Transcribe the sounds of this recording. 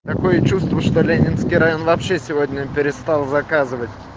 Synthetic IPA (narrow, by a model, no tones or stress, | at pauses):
t̪ɐko̞jət͡ɕust̪vəʂt̪o̞lʲenʲɪnskʲijɾɐjo̞nvɐpɕːesʲɪvo̞dʲnʲəpʲɪɾʲɪst̪alˠzɐkazɨvətʲ